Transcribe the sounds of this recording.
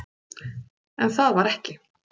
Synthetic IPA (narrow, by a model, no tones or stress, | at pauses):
ɛnθaðvaɾɛhcɪ